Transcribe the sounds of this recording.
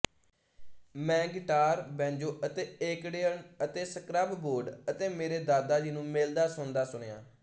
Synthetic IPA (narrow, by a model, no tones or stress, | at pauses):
mɛ̃ːɡɪʈaːɾbɛ̃ːɲd͡ʒoːʔət̪eːeːkɖeːənət̪eːsəkɾaːbboːɾɖət̪eːmeːɾeːd̪aːd̪aːd͡ʒiːnũːmeːld̪aːsʊnd̪aːsʊɽ̃eja̰ː